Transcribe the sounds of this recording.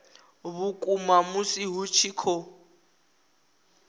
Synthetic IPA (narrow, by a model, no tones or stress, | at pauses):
βukʼumamusiɦut͡ʃʰikʰɔ